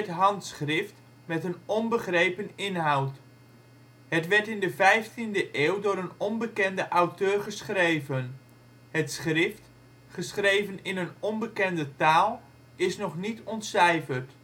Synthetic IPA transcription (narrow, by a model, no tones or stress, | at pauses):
ətɦɑntsχrɪft | mɛtənɔnbəχrejpənɪnɦawt | hətʋɛɹtɪndəvɛjftindəʔeːwdʊːɾənɔnbəkɛndəʔawtøːrχəsχrejvən | hətsχrɪft | χəsχrejvənɪnənɔnbəkɛndətaːlˠ | ɪsnɔχnitɔntsɛjfərt